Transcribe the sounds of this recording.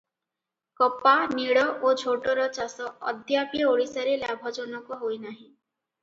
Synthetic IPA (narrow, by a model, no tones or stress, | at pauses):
kɔpaniɽɔʔod͡ʒʱoʈɔɾɔt͡ʃasɔɔ̰d̪ʱjapjoɽisaɾeljabʱɔd͡ʒɔnɔkɔɦojnaɦĩ